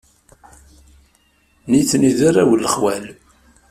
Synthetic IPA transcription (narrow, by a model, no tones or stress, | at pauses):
niθniðaɾˤawəlːəχwæl